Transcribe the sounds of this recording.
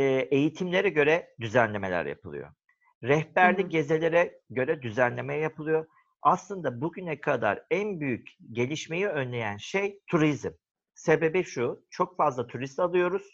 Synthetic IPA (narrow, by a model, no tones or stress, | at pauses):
e̞jit̪ʰimlʲe̞ɾɛɟø̞ɾɛd̪yzænlʲe̞me̞lʲæ̰ɾja̰pʰɯlˠɯ̰jo̰ | ɾɛhbæɾlʲiɟe̞ze̞lʲe̞ɾɛɟø̞ɾɛd̪yzænlʲe̞mejɛjapʰɯlˠɯjo̞ | aslˠɯnd̪abuɟynɛkʰad̪a̰ɾænbyjycɟe̞lʲiʃme̞jiønlʲe̞jænʃejt̪ʰuɾizm | se̞be̞biʃut͡ʃʰo̞kfazlˠat̪ʰuɾist̪alˠɯjo̞ɾuz̥